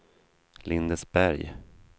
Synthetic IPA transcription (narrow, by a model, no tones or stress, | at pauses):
lɪnd̪əsbæɾj